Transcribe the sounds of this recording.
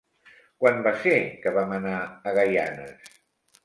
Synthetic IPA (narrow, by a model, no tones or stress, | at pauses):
kwambasekəβamənaːɣaja̰nə̰s